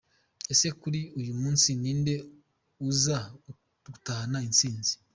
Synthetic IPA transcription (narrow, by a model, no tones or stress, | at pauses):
ese̞kuɾiujumuːnsiniːnde̞ | uza | utaanainsiːnzi̥